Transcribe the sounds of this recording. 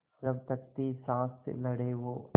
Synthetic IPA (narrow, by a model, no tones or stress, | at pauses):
ɾɐʋt̪ɐkt̪isaːst̪lɐɽeːʋo